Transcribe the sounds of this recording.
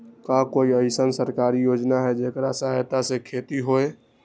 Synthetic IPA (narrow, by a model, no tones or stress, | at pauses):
kakoiəɪsənsəɾkaːɾijoːd͡ʒnaɦɛd͡ʒekɾasəɦajt̪asekʰeːt̪iɦoe